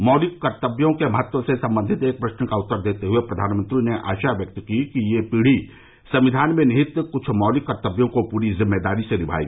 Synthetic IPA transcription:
mɔːlɪkkːɐɾt̪əbjõkemɐɦət̪wəsesɐ̃mbə̃nd̪ʱɪt̪eːk̚pɾɐʃnkaʊt̪ːəɾd̪eːt̪eɦʊepɾɐd̪ʱaːnmə̃nt̪ɾineʔa̰ːʃaʋjɐk̚t̪kikijepiːɽ̤i | sɐ̃mʋɪd̪ʱaːnmẽnɐɦɪt̪kʊt͡ʃʰmɔːlɪkːɐɾt̪əbjõkopuːɾizɪmːed̪aːɾisenɪbʱa̰ːjɡ

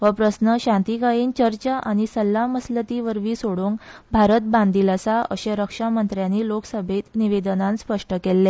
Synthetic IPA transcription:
ʋəpɾəsnəɕãnt̪ikajiːnt͡ɕəɾt͡ɕaʔañisəlːaməslət̪iʋəɾʋiːsoɽuːŋbʱaɾət̪̚bãnd̪ilasaə̰ɕeɾəkʂamənt̪ɾjaniːloksəbʱet̪niʋed̪ənanspəʂʈəkelːe

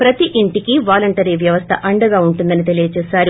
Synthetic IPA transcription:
pɾɐt̪iʔiɳʈikiʋaːlɐɳʈɐɾiʋjɐʋɐst̪ʰɐʔɐɳɖɐɡaːuɳʈund̪ɐnit̪e̞lijɐt͡ʃɛːsaːɾi

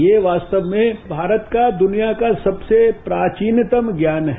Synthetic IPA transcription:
jeːʋaːst̪əʋmẽbʱaːɾət̪kad̪ʊnijakasɐbsepɾaːt͡ʃiːnt̪əmɡjaːnɦɛ

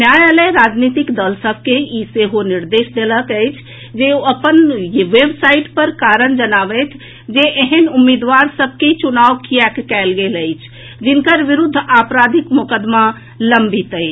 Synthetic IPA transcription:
njajaleɾad͡ʒnit̪ikd̪əlsəb̚ʱkeiseɦoniɾd̪esd̪eləkəjt͡ʃʰ | d͡ʒeoəpənjʋebsaiʈpəɾkaɾənd͡ʒənabɛt̪ʰ | d͡ʒeʔeɦənumːid̪ʋaɾsəb̚ʱket͡ʃunaʋkijɛkkɛlɡeləjt͡ʃʰ | d͡ʒinkəɾʋiɾud̪ʱːapɾad̪ʱikmokəd̪ma | ləmbʱit̪əɪt͡ʃʰ

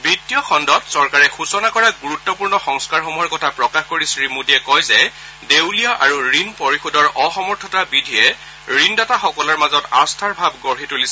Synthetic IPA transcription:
bitːijɔxɔndɔtsɔɹkaɹɛxusɔnakɔɹaɡuɹutːɔpuɹnɔxɔŋskaɹxɔmuɦɔɹkɔtʰapɹɔkaxkoɹisɹimudiɛkɔjzɛ | dewlijɔʔa̰ɹuɹinpoɹixudɔɹʔɔxɔmɔɹtʰɔtabidʱijɛ | ɹindɔtaxɔkɔlɔɹmazɔta̰stʰaɹbʱabɡɔɹɦitulisɛ

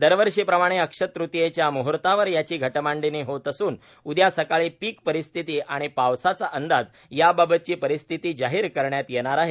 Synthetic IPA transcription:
d̪əɾʋəɾʂiːpɾəmaɽ̃eəkʂət̪ɾut̪jet͡ɕjamuɦɾt̪aʋəɾjat͡ɕiːɡʱəʈmaɳɖiniɦot̪əsuːn | ud̪jasəkaɭiːpiːkpəɾist̪ʰit̪iːʔaɽ̃ipaʋsat͡saʔənd̪ad͡z | jababət̪̚t͡ɕiːpəɾist̪ʰit̪iːd͡ʑaɦiːɾkəɾɳjat̪jeɳ̃aɾaɦe

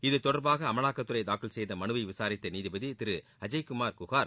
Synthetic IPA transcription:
ɪðɯt̪ɔɽɐɾbaːɣɐːmɐɭaːkːɐt̪ːɯɾɐɪd̪aːkɪlsɛjðɐmɐnɯʋɐɪʋɪsaːɾɪt̪ːɐniːðɪbɐðit̪ɪɾɯ | ɐd͡ʒɐɪkʊmaːɾkʊɣaːɾ

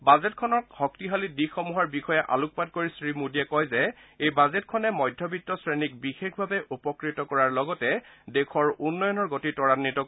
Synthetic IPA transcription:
bazɛtkʰɔnɔkhɔktiɦalidixɔmuɦaɹbixɔjɛʔa̰luk̚pat̚koɹisɹimudiɛkɔjzɛejbazetkʰɔnɛmɔjdʱɔbitːɔsɹenik̚bixexʰbʱabɛʔupɔkɹitɔkɔɹaɹlɔɡɔtɛdekʰɔɹunːɔjɔnɔɹɡotitɔɹanːitɔ

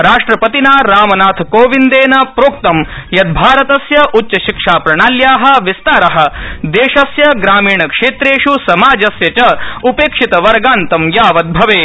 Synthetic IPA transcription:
ɾaːʂʈɾɐpɐt̪inaːɾaːmɐnaːt̪ʰkoːʋind̪eːnɐpɾoːk̚t̪ɐmjɐd̪̚bʱaːɾɐt̪ɐsjɐʔutːt͡ʃɐʃikʂaːpɾɐɳaːljaːɦɐ̆ʋist̪aːɾɐɦɐ̆d̪eːʃɐsjɐɡɾaːmiːɳɐkʂeːt̪ɾeːʂusɐmaːd͡ʒɐsjɐt͡ʃɐupeːkʂit̪ɐʋɐɾɡaːnt̪ɐmjaːʋɐd̪̚bʱɐʋeː

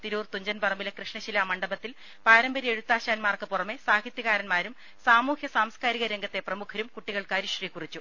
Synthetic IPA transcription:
t̪iɾuːrt̪uɲd͡ʑɐnbɐrɐmbilɐkrɨʂɳɐɕilaːmɐɳɖɐbɐt̪ːil | paːɾɐmbɐɾie̞ɻut̪ːaːɕaːnmaːrkɨpurɐme̞saːkʰit̪jɐɣaːɾɐnmaːɾum | saːmuːhjɐsaːmskaːɾiɣɐɾeŋɡɐt̪ːe̞prɐmukʰɐɾumkuʈːiɣɐɭkaːɾiʂriːkurit͡ɕːu

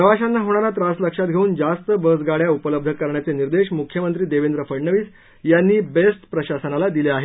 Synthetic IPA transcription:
pɾəʋaɕanːaɦoɽɳ̃aɾat̪ɾasləkʂat̪̚ɡʱeuːnd͡zast̪əbəsɡaɽjaupələb̚d̪ʱəkəɾɳjat͡seniɾd̪eɕmukʰjəmənt̪ɾiːd̪eʋend̪ɾəfəɽɳəʋiːs | janːiːbesʈpɾəɕasənalad̪ileaɦe

